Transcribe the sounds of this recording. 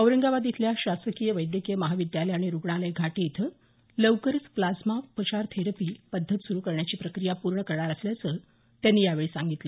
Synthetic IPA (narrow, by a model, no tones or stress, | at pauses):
əʋɾəŋɡaʋad̪jit̪ʰljaɕasəkijəʋəjd̪jəkijəməɦaʋid̪jaləjaɽ̃iɾuɡɳ̃aləjɡʱaʈiːt̪ | ləʋkəɾət͡splad͡zmaupːət͡ɕaɾt̪ʰeɾəpiːpəd̪ʱːət̪suɾukəɾɳjat͡ɕiːpɾəkɾijapuɾɳəkəɾɳaɾasljat͡sə | t̪janːiːjaʋeɭiːsaŋɡit̪li